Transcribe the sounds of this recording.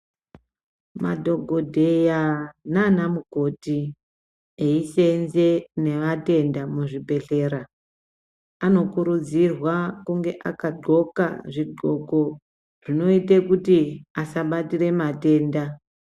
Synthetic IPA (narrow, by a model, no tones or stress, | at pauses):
madʱo̞ɡʱo̞dʱe̞jananamuɡʱo̞ti | eisenzene̞ʋate̞ndamuʐibʱe̞ɬe̞ːɾa | ano̞kuɾud͡zirwakuŋɡe̞ʔakaɡ͡ǃʱo̞ka̰ʐiɡo̞ko̞ | ʐ̥ino̞itekutiasaɓatire̞mate̞ːnda